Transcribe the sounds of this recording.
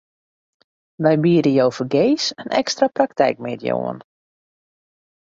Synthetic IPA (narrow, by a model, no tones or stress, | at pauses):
ʋɛjbiːəɾəjowfərɡejsənʔɛ̰kstraprak̚tɛ̰jk̚mḛtjo̰ə̰n